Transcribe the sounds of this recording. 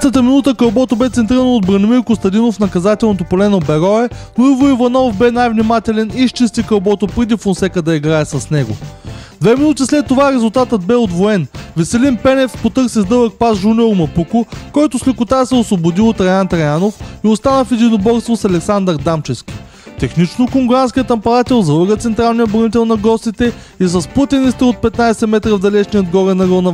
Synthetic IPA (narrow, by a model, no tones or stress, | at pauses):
t̪ət̪əminut̪əkɐwbɔt̪obɛt̪sɛnt̪ɾiɾənod̪̚bɾɐnimiɾkost̪ɐd̪inofnɐkɐzat̪ɛlˠnot̪opolɛnobɛɾɔɛnoivoivɐnɔfbɛnajvnimat̪ɛlɛniʃt͡ʃist̪ikɐwbɔt̪opɾɛd̪ifonsɛkəd̪ɐiɡɾaɛsɐsnɛɡʊ̰d̪vɛminut̪islɛt̪ːovaɾɛzulˠt̪at̪əd̪̚bɛod̪voɛnvɛsɛlinpɛnɛfspot̪ɤɾksizd̪ɤvək̚pazʒunʲioɾmɐpukʊkɔjt̪ʊslʲɛkʊt̪asɛosvobʊd̪iot̪ɾɛjant̪ɾɐjanofiost̪anəfid̪ʲinobɔɾst̪vosɐlɛksand̪əɾd̪amt͡ʃɛfskʲi̥ | t̪ɛxnit͡ʃnokoŋɡɾanskʲiət̪ɐmpɐɾat̪ɛlˠzɐlˠəɡət̪sɛnt̪ɾalˠnijəbɾɐnit̪̬ɛlˠnɐɡɔst̪it̪ɛ | isɐspət̪ʲɛnist̪ɛot̪̚pɛt̪najsɛmɛt̪ɾəvd̪ɐlɛʃniəd̪ɡɔɾɛnɐɡɤnɐ